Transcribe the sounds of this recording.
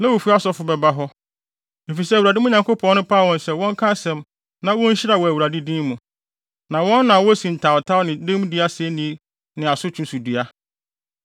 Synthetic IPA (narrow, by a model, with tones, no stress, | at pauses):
nɛ̃˦wo˨fu˦a˦sɔ˦fʊ˨bɛ˨ba˦ɦɔ˦ | e˨fi˨s̬ɛ˦æ˨wu˨ɾa˨dɪ˦mʊ̃˦ɲã˨ŋkʰo˦pʰɔ̃˨˦n˦nʊ̃˦pʰa˦˨wɔ̃˦nsɛ˦wɔ̃˦ŋ˦kʰa˦sɛ̃˨m | nã˦wɔ̃˦ɲ̩˦ɕɪ˦ɾa˨wɔ˨æ˨wu˨ɾa˨dɪ˦dĩ˦mũ˨ | nã˨wɔ̃˦nːã˨wɔ˦sĩ˨n̩˨tʰã˨tʰa˦wnɪ̃˨dɪ̃˦m˦di˦a˦sɪɛ˦nĩ˦ | nɪ̃˨a˨sʊ˦t͡ɕʰũ˦nsu˨di˨a˦